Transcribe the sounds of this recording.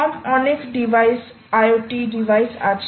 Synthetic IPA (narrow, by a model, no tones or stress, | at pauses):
amɔnekɖibʱajs | ajoʈiɖiʋʱajsat͡ʃ